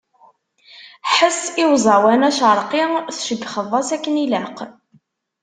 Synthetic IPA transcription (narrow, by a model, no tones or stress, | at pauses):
ħəsɪwzˤɑwænæʃəɾˤqiθʃəd̪χəðˤːɑsækːənilæq